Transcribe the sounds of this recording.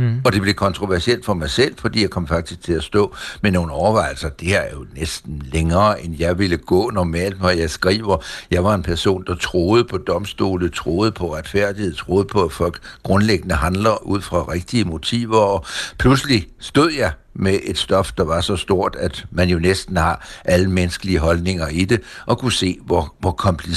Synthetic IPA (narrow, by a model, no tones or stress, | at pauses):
ɒ̽d̥e̝b̥le̝kʰɒ̽nt͡sʰʁo̝ʋæɐsiel̰d̥fɒ̽mɑ̈ɪsel̰̥fɒ̽d̥ḭːjaɪkʰɒ̽mfɑ̈ɡ̥d̥isɡ̥̚t͡sʰe̝læsd̥ɔ̰̽ːmeno̝ːn̩ɒʊɐʋɑ̈ɪ̰l̩sɐd̥e̝heɐæɐjo̝nesd̥n̩leŋɐːʔenjɑ̈ɪʋe̝ləɡ̥ɔ̰̽ːnɒmɛ̰ːl̰d̥ʋɒjɑ̈ɪsɡ̥ʁḭːʊɐjɑ̈ɪʋɑ̈e̝npʰæɐso̝̰ːnd̥ɑ̈t͡sʰʁoːð̞ˠəpʰɒ̽d̥ɒ̽msd̥o̝̰ːlət͡sʰʁo̝ːð̞ˠəpʰɒ̽ʁad̥fæɐ̰d̥iheð̰ˠt͡sʰʁo̝ːð̞ˠəpʰɒ̽æfɒ̽l̰ɡ̥ɡ̥ʁɔ̽nleɡ̥ənəɦænlɐʔuð̞̰ˠfʁɑ̈ʁeɡ̥̚d̥iəmo̝t͡sʰḭːʊɐɒ̽pʰluslisd̥o̝ð̰ˠjɑ̈ɪ | meʔe̝d̥sd̥ɒ̽fd̥ɑ̈ʋɑ̈sɒ̽sd̥o̝ɐ̰d̥æd̥mænjo̝nesd̥n̩hɑ̈ʔæləmenəsɡ̥əliəɦɒ̽lne̝ŋɐid̥e̝ʔɒ̽kʰuse̝̰ːʋɒʋɒkʰɒ̽mpʰli